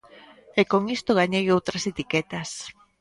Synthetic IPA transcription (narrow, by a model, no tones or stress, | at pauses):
ekoŋist̪oɣaɲejowt̪ɾɐset̪ikɛt̪ɐs